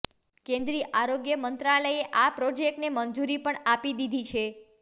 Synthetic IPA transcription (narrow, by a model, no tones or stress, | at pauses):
kẽnd̪ɾiːəʔaɾoɡjəmənt̪ɾaləeʔapɾod͡ʒek̚ʈnemənd͡ʒuɾipəɳapid̪id̪ʱit͡ʃʰe